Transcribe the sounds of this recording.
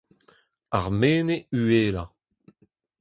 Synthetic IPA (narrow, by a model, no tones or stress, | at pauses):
aʁmeːneyeːla